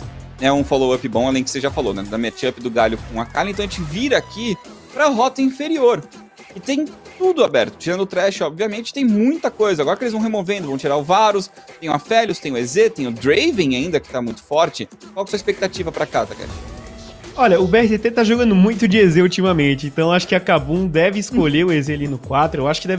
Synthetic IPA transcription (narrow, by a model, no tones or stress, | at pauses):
nɛũfolowɐpɪbõw̃alẽj̃kɪ̥seʒafalonɛ̰d̪ɐmɛt͡ʃɪɐpɪd̪ʊɡalʊkõakalɪ̃t̪ɐ̃w̃ẽt͡ʃɪviɾɐːki | pɾɐɦɔt̪ɐĩfeɾioɾ | ɪt̪ẽj̃t̪ud̪ʊabɛɾt̪ʊ̥t͡ʃiɾɐ̃nd̪ʊt̪ɾɛʃɪɔbviɐmẽnt͡ʃɪ̥t̪ẽj̃mũj̃t̪ɐkojzɐaɡɔɾɐkɪelɪzvɐ̃w̃ɦemovẽnd̪ʊvɐ̃w̃t͡ʃiɾaʊvaɾʊs | t̪ẽj̃ũmɐfɛʎʊst̪ẽj̃ʊezet̪ẽj̃ʊd̪ɾejvẽj̃aĩnd̪ɐkɪ̥t̪amũj̃t̪ʊ̥fɔɾt͡ʃɪ | kwawkɛsuɐispek̚t̪at͡ʃivɐpɾakat̪a̰kɛ̰d͡ʒ | ɔʎɐʊbeɛhit̪et̪et̪aʒoɡɐ̃nd̪ʊmũj̃t̪ʊd͡ʒɪezeut͡ʃimɐmẽt͡ʃɪẽnt̪ɐ̃w̃aʃʊ̥kɪakabũd̪ɛvɪɪskoʎeɾʊezealinʊkwat̪ɾʊewaʃʊ̥kɪd̪ɛv